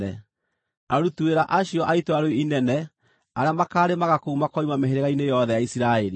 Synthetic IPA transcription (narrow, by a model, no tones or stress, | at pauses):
ɛ | aɾutueɾaʔaɕijɔʔaitoaɾoiinɛnɛ | aɾeamakaːɾemaɣakoumakɔimameɦeɾeɣainejɔðɛjaisiɾaeɾi